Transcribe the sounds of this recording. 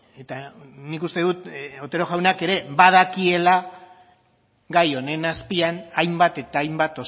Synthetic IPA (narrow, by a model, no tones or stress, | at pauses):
e̞t̪anikust̪e̞ðut̪ot̪e̞ɾo̞ʝawnake̞ɾe̞βað̞akie̞la | ɡajo̞ne̞naspianajmbat̪e̞t̪aːjmbat̪o̞